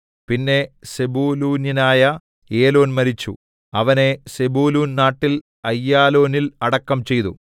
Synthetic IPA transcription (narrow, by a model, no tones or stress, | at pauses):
pinːe̞sebuːluːnjinaːjɐ | eːlo̞ːnmɐɾit͡ɕːṵ | ɐʋɐne̞sebuːluːnnaːʈːil | ɐjːaːlo̞ːnilɐɽɐkːɐmt͡ɕe̞jt̪ṵ